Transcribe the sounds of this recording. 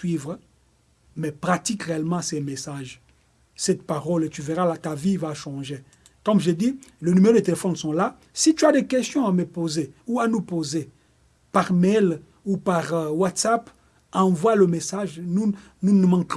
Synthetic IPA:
ɥivʁ | mɛpχat̪ikʁeɛlmɑ̃sɛmesaʒ | sɛt̪paʁɔlet̪yveʁalat̪avivaʃɑ̃ʒe | kɔ̃mʒed̪ilənymeʁod̪et̪elefɔnsɔ̃la | sit̪yad̪ekɛst̪jɔ̃aməpozeuanupoze | paʁmɛl | upaʁwat̪sap | ɑ̃vwaləmesaʒnu | nunumɑ̃k

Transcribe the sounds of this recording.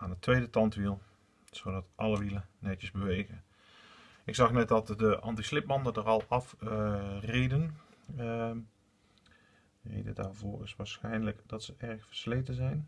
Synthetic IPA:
ʔaːnətʋejdətɑntʋilˠ | sodɑtʔɑləʋilənɛtjəzbəʋejɣən | ɪksɑxnɛt̚dɑtdəʔɑ̰ntislɪpmɑndədərɑlˠɑf | redən | rḛjdədaːɹvoːɹɪsʋaːɹsxɛjnləkd̥ɑtsəʔɛɹxfəɹslejtəzɛjn

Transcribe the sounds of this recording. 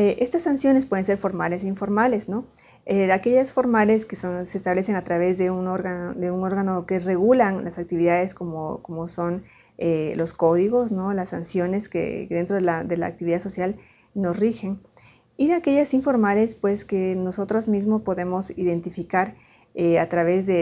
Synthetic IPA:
eʔe̞st̪asːansjo̞nespwe̞ðe̞nse̞ɾfo̞ɾmale̞siɱfo̞ɾmale̞sno̞ | eake̞ʝasfo̞ɾmale̞skesonseːst̪aβle̞se̞ŋat̪ɾaβ̞e̞zðe̞unoɾɣad̪e̞uŋo̞ɾɣano̞ke̞re̞ɣulanlasak̚t̪iβiðaðe̞sko̞mo̰ko̞mo̞so̞n | elo̞sko̞ðiɣo̞sno̞lasːansjo̞ne̞skḛðe̞nt̪ɾo̞ðelaðe̞la̰ːk̚t̪iβiðaðso̞sjal | no̞srixe̞n | iðeake̞ʝasiɱfo̞ɾmale̞spwe̞ske̞no̞so̞t̪ɾozmizmospo̞ðe̞mo̞siðe̞nt̪ifikaɾ | eat̪ɾaβe̞zðe

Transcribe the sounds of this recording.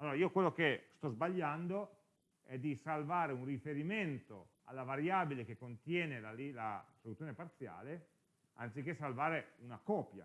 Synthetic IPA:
alːoːɾaiːokwelːokest̪ɔzbaʎːand̪o | ɛd̪isalvaːɾeunrifeɾiment̪o̰ | a̰lːavaɾjaːbilek̟ekːont̪jɛːnelalilasolut̪ːjoːnepart̪sja̰ːle | a̰nt̪sik̟ːesalvaːɾeunakɔːpja̰

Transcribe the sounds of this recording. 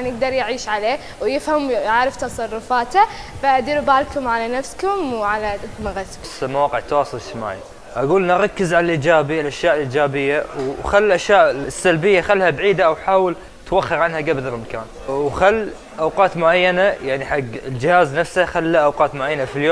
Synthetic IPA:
nɪɡ̚d̪ɑɾˤjʕiːʃʕaleː | wjɪfhamʕaːɾɪft̪ɑsˤɑrˤːʊfaːt̪afaʔad̪iːɾbaːlkʊmʕalanafskʊmwʕalamaɣasksmawɑːqɪʕt̪ːawɑːsˤɑlʃma̰ːʕ | ʔaɡuːlnɾˤɑkːɪzʕalalʔiːd͡ʒaːbilʔaʃjaːʔlʔiːd͡ʒaːbɪjːawxalːlʔaʃjaːʔsːalbɪjːaxalːhabʕiːd̪aʔawħaːwɪl | t̪waxːɑɾʕanhaɡabdɾmaka̰ːn | wxalː | ʔawqɑːt̪mʊʕajːanajaʕniħaɡːɪld͡ʒɪhaːznafshaxalːaʔawqɑːt̪mʊʕajːanafiljoː

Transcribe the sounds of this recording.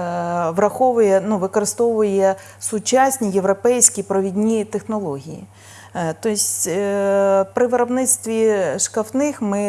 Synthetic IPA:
ʋɾɐxɔʋʊjɛnuʋɪkɔɾɪst̪ɔʋʊjɛ | sʊt͡ʃasʲnʲijeʋɾɔpɛjsʲkʲipɾɔʋʲidʲnʲit̪exnɔlˠɔɦʲijḭ | t̪ɔsʲ | pɾɪʋɪɾɔbnɪt̪st̪ʋʲiʃkɐft̪nɪxmɪ

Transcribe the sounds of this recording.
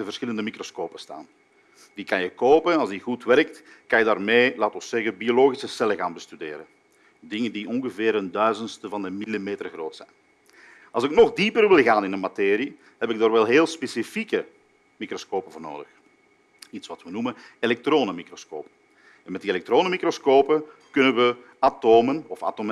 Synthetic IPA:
əvərsxɪləndəmikroskoːpəsta̰ːn | diːkɑnjəkoːpənɑlˠzdiɣutʋɛrk̚tkɑnjədaːrmeːlaːtɔsɛɣəbioloːɣisəsɛləɣaːnbəstydḛːɾən | dɪŋəndiʔɔnɣəveːɾəndœɥzəntstəvɑndəmilimeːtərɣroːtsɛ̰jn | ɑ̰lˠzɪknɔɣdipərʋɪlˠɣaːnɪnənmateːɾi | ɦɛpɪɡ̚daːrʋɛlˠɦeːlˠspesifikə | mikroskoːpəvoːrno̰ːdəx | itsʋɑtʋənumənelɛk̚troːnəmikrosko̰ːpə | ɛnmɛt̚dielɛk̚troːnəmikroskoːpəkʏnənʋə | atoːmənɔfa̰tom

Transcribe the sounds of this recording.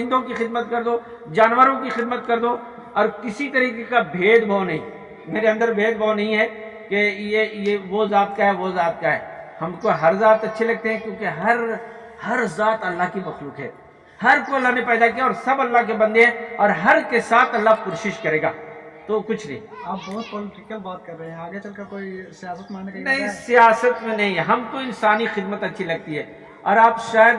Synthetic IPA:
ɪ̃nd̪õkixɪd̪mət̪kɐɾd̪oː | d͡ʒaːnʋəɾõk̬ixɪd̪mət̪̚kɐɾd̪o | ɔːɾkɪsit̪ɐɾiːkekabʱeːd̪bʱanɐɦĩː | meːɾeɐ̃nd̪əɾbʱeːd̪̚banɐɦĩɦɛ | kejejeʋozaːt̪̚kaɦɛʋozaːt̪kaɦɛ̰ːhɐmkoɦɐɾzaːt̪ɐtːʃʰelɐɡ̚t̪eɦɛ̃kjõːkeɦɐɾ | hɐɾzaːt̪ɐlːaɦkimɐxluːkɦɛ̰ː | hɐɾkoːlɦɐmẽpɛːd̪akiaɔːɾsɐbɐlːaɦk̬ebɐ̃nd̪eɦɛ̃ɔːɾɦɐɾkesaːt̪ʰɐlːakoːʃɪʃkɐɾeːɡaːt̪okʊt͡ʃʰnɐ̰ɦḭ̃aːpbɔːt̪poːlɪʈɪkəlbɔːt̪̚kɐɾːeɦɛ̃aːɡet͡ʃɐlkɐɾkoːisijaːsət̪̚maːnneknɐɦĩsijaːsət̪mẽnɐɦĩɦɐmkoɪ̃nsaːnixɪd̪mət̪ɐtːʃʰilɐɡ̚t̪iɦɛː | ɔːɾaːpʃaːjəd̪

